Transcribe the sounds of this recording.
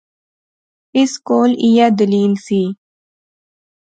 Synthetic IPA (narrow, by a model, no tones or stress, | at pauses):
ɪskoːlijad̪ɪliːnsi